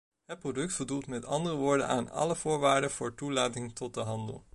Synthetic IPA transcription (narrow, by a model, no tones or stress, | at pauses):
ɦət̚prodɵk̚tbədulˠtmɛtʰɑndərəʋoːɹdə̰na̰ːnɑ̰ləv̥ʊːɹʋaːɹdəv̥ʊːɹtulaːtɪŋtɔt̚dəɦɑndə̰lˠ